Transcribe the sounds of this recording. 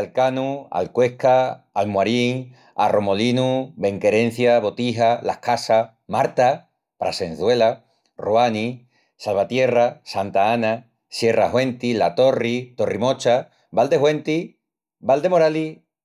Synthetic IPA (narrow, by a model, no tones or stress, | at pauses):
alkanua̰lkwe̞hkaalmwaɾiŋ | a̰ro̞mo̞linube̞ŋke̞ɾẽ̞n̟θjaβo̞t̪iɦalahkasa | maɾt̪a | pɾa̰sen̟θwe̞la | ruani | salβat̪je̞rasant̪aana | sje̞raɦwe̞nt̪ilat̪o̞rit̪o̞rimo̞t͡ʃa | βald̪e̞ɦwent̪i | bald̪e̞moɾali